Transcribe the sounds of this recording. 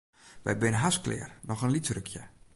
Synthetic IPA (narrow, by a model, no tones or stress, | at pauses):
ʋɛ̰jbɪnəɦasklɪ̰ːrnɔxənlitrøkʰjə